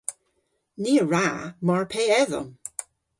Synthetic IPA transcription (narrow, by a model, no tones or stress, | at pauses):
niːəɹamɔɹpʰeːɛðə̰m